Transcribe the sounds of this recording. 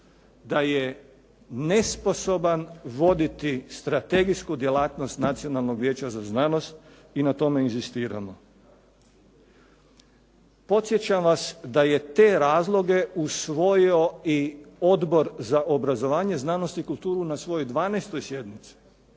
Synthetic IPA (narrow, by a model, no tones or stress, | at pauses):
d̪aje | ne̞spo̞so̞banʋo̞d̪it̪ist̪ɾat̪e̞ɡiskud̪je̞laːt̪no̞st̪nat̪sio̞nalˠno̞ɡʋje̞ːt͡ɕazaznano̞st̪̚ | inat̪o̞me̞inzist̪iːɾa̰mo | po̞t̪sjet͡ɕamʋasd̪aje̞t̪e̞ːɾaːzlˠo̞ɡe̞usʋo̞jio̞io̞d̪bo̞ɾzaʔobɾazo̞ʋaːɲe̞znano̞st̪ikulˠt̪uːɾunasʋo̞jojd̪ʋaːneːst̪o̞jsje̞d̪mit̪si̥